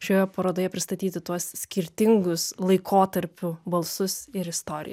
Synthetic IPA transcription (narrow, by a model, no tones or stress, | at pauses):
ʃʲoːjopɐɾoːd̪oːjɛpʲɾʲɪst̪ɐt̪ʲiːt̪ʲɪt̪uɔssʲkʲɪɾʲt̪ʲɪŋɡʊslˠɐɪkʰoːt̪ɐɾʲpʲʊbɐlˠsʊsɪɾɪst̪oːɾʲɪ̰j